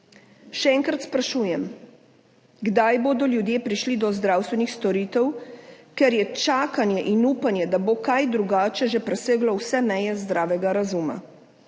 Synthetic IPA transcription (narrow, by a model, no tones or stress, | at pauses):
ʃɛɛːŋkɾat̪spɾaʃuːjɛm | ɡd̪ajboːd̪ɔljud̪jeːpɾiʃlid̪ɔzd̪ɾaːwst̪ʋɛnixst̪ɔɾiːt̪ɛwkɛɾjɛt͡ʃaːkanjɛʔinuːpanjɛd̪abokajd̪ɾuɡaːt͡ʃɛʒepɾɛseːɡlɔwsɛmɛjɛzd̪ɾaːʋɛɡaɾazuːma̰